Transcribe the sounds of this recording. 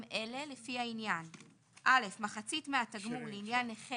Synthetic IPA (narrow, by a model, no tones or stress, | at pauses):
mʔe̞le̞lefiainjan | ʔale̞fmaχat͡sitmeɦataɡmuleinjaneχe